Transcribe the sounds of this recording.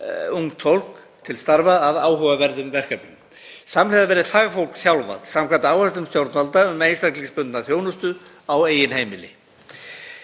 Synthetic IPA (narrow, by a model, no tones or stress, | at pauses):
uŋt̪fowl̥k | t̪ʰɪlst̪aɾvaaðaːwɦœɣavɛɾðʏmvɛr̥kapnʏm | samlɛjðavɛːɾɪfaːɣafowl̥kθjawlva̰t̪samkʰvant̪aaːwhast̪ʏmst̪jowɾt̪nalt̪aʏmejnslak̪t̪liŋspʏnt̪naθjoːwnʏst̪ʏ | aweːjɪnheːjmɪlɪ̰